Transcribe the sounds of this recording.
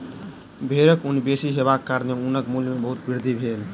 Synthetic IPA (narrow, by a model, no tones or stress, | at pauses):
bʱeɾəkunibesiɦebakːaɾneunəkmulmebəɦut̪̚biɾd̪ʱibʱel